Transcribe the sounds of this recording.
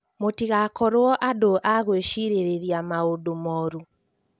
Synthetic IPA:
motiɣakɔɾwɔʔadoʔaɣweʃiɾeɾeɾiamaodomɔɾu

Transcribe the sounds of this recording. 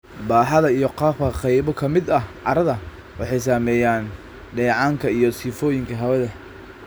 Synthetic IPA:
baːħɐðɐijɔqɑːfkʰɐqɑjβɔkʰɐmɪd̪ɐhʕɑɾɐðɐ | wɑħɑjs̬aːmɛːjaːn | ɖɛːʕɑːŋkʰɐijɞsiːfɔːjɪŋkʰɐɦɐwɐðɐ

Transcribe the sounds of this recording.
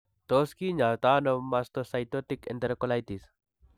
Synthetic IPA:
t̪oskiɲat̪anɔmast̪ɔsajt̪ɔt̪ikɛ̰̃nt̪ɛɾkɔlajt̪is

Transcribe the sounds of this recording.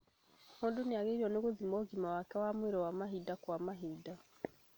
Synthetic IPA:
hoːndoneaɣeiɾiɔneɣoðimɔɣimawakɛwamweɾɔwamaɦidakwamaɦida

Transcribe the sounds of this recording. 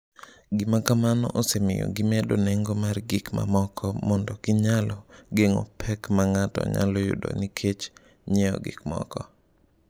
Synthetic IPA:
ɡimakamanɔ̰ʔɔsemɪjo̰ɡɪmɛdonɛŋɡomarɡɪkma̰mɔkʰɔmɔndɔɡɪɲalɔɡeŋɔ̰pʰɛkmaŋatɔ̰ɲa̰lɔjʊ̰do̰nikʰet͡ʃ | ɲejɔ̰ɡɪ̰kmɔ̰kɔ

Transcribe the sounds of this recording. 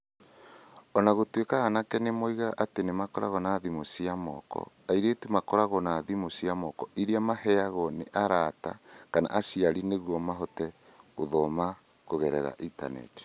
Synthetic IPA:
ɔnaɣotwekaɣanakɛnemoiɣaʔatenemakɔɾa̰ɣɔnaðimosiamɔ̰kɔ̰ | aiɾetumakɔɾaɣɔnaðimosiamɔkɔʔiɾiamahɛaɣɔneʔaɾata̰kana̰ʔasiaɾineɣwɔmaɦɔtɛoðɔma | koɣɛɾɛɾa̰ʔita̰nɛ̰t

